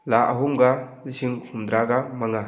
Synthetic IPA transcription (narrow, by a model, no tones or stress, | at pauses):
laʔaɦumɡanisiŋhumd̪ɾaɡamaŋa